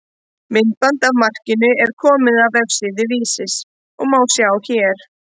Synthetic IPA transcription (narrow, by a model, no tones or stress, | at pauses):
mɪnt̪̚pant̪avmar̥cɪnʏɛɾ̥kʰɔːmɪðavvɛvsɪðʏviːsɪs | ɔɣmaːwsjawçɛːɾ̥